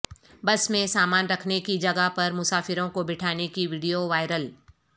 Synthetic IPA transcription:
bɐsmẽsaːmaːnɾɐkʰnekid͡ʒɐɡapɐɾmʊsaːfɪɾõkobɪʈʰaːnekiʋiːɖijoʋaːɪɾəl

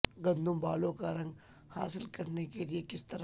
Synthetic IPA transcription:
ɡɐ̃nd̪ʱʊ̃mbaːlõkaɾɐ̃ŋɡ | ha̰ːsɪlkɐɾnekeliekɪst̪ɐɾ

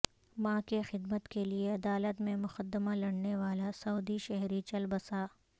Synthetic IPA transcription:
mãːkexɪd̪mət̪kelieɐd̪aːlət̪mẽmʊxəd̪ːəmalɐɽneʋaːlasɐuːd̪iʃɛɦɾit͡ʃɐlbəsaː

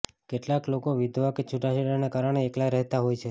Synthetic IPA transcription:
keʈlaklokoʋid̪ʱʋaket͡ʃʰuʈaʃiɽanekaɾəɽ̃eːklaɾɛɦt̪aɦojt͡ʃʰe

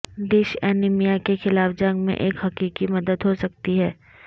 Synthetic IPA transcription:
d̪eːʃɛːnɪmijakexɪlaːfd͡ʒɐ̃ŋɡmḛ̃ʔeːkɦɐkiːkimɐd̪əd̪ɦosɐk̚t̪iɦɛː

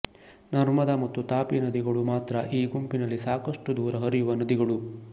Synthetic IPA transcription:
nɐɾmɐd̪amɐt̪ːut̪aːpinɐd̪iɡɐɭumaːt̪ɾɐʔiːɡumpinɐlːisaːkɐʂʈud̪uːɾɐɦɐɾijuʋɐnɐd̪iɡɐɭu

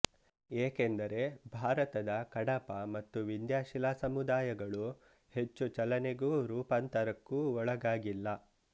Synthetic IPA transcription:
eːkend̪ɐɾe̞bʱaːɾɐt̪ɐd̪ɐkɐɽɐpɐmɐt̪ːuʋind̪jaːʃilaːsɐmud̪aːjɐɡɐɭu | he̞t͡ʃːut͡ʃɐlɐneɡuːɾuːpɐnt̪ɐɾɐkːuːɔɭɐɡaːɡilːɐ

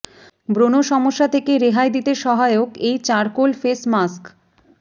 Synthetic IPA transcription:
bɾonoʃɔmoʃːat̪ʰekeɾeɦaed̪it̪eʃɔɦaeokejt͡ɕaɾkolfesmask

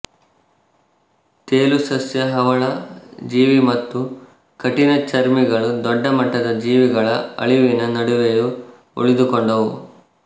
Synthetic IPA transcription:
t̪eːlusɐsjɐɦɐʋɐɭɐd͡ʒiːʋimɐt̪ːu | kɐʈinɐt͡ʃɐɾmiɡɐɭud̪ɔɖːɐmɐʈːɐd̪ɐd͡ʒiːʋiɡɐɭɐɐ̰ɭiʋinɐnɐɽuʋeju | ṵɭid̪ukɔɳɖɐʋu

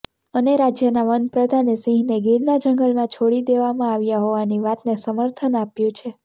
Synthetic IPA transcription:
əneɾad͡ʒjənaʋənpɾəd̪ʱanesĩɦneɡilnad͡ʒəŋɡəlmãt͡ʃʰoɽid̪eʋamãaʋjaɦoʋaniʋat̪nesəməɾt̪ʰənapjũt͡ʃʰe

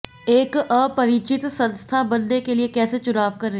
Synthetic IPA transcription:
eːkəpɐɾiːt͡ʃɪt̪sɐ̃nst̪ʰabɐnːekeliekɛːset͡ʃʊɾaːʋkɐɾːeː

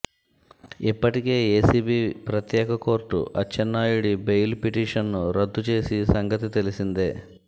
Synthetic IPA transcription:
ipːɐʈike̞ːeːsiːbiːpɾɐt̪jɛːkɐko̞ːɾʈṵʔɐt͡ʃːɐnːaːjuɽibejlpiʈiːʂɐnːuɾɐd̪ʱːut͡ʃe̞ːsisɐŋɡɐt̪̬it̪e̞lisind̪eː

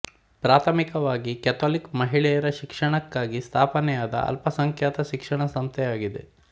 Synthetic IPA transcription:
pɾaːt̪ʰɐmikɐʋaːɡikɛt̪ʰoːlikmɐɦiɭɛjɐɾɐʃikʂɐɳɐkːaːɡist̪ʰaːpɐnɛjaːd̪ɐ̰ɐ̰lpɐsɐŋkʰjaːt̪ɐʃikʂɐɳɐsɐmst̪ʰɛjaːɡid̪e

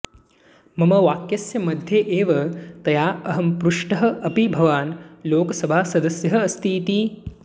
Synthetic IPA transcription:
mɐmɐʋaːkjɐsjɐmɐd̪ʱjeːʔeːʋɐt̪ɐjaːɐɦɐmpɾuʂʈɐɦɐ̆ʔɐpibʱɐʋaːnloːkɐsɐbʱaːsɐd̪ɐsjɐɦɐːst̪ʰiːt̪i

